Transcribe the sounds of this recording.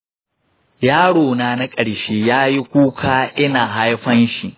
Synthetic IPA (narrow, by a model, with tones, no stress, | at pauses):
jaː˦ɽoː˨naː˦na˦kʼɐ˨ɽʃeː˦jaː˦ji˦kʷuː˦kʰaː˦ʔɪ˦naː˨ɦa˦jɸɐ˦nʃi˨ʔ